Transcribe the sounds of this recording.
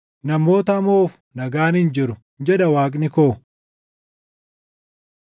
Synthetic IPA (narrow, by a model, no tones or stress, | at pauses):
nɐmo̞ːt̪ɐmoːf | nɐɡaːnɪnd͡ʒɪɾʊ | d͡ʒɛd̪ɐwaːkʼnɪkoː